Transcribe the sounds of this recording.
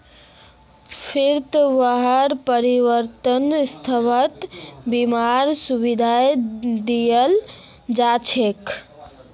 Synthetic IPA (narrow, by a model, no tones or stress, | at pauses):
pʰiɾt̪əʋəɦəɾpəɾiʋəɾt̪ənst̪ʰəʋət̪bimaɾsubid̪ʱajd̪ijəl | d͡ʒat͡ʃʰek